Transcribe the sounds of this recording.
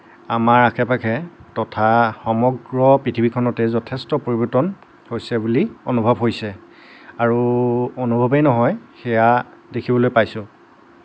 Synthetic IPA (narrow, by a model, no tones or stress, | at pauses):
amaɹakʰɛpakʰɛtɔtʰaxɔmɔɡɹɔpɹitʰibikʰɔnɔtɛzɔtʰɛstɔpoɹibɔtɔn | hojsɛbulionubʱɔbɦojsɛ | aɹuonubʱɔbejnɔɦɔjxɛjadekʰibɔlojpajsʊ̃